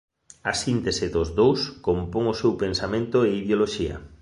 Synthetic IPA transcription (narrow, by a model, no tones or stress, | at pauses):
ɐsint̪esɪðʊzðowskompoŋʊsewpensamẽnt̪ʊeiðjoloʃiɐ̰